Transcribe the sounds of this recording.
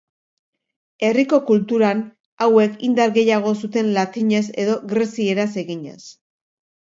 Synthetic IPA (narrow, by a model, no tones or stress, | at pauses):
e̞riko̞kult̪uɾan | awe̞kind̪aɾɣe̞jaɣ̞o̞sut̪e̞nlat̪iɲe̞s̬e̞ðo̞ɣɾesie̞ɾase̞ɣiɲḛs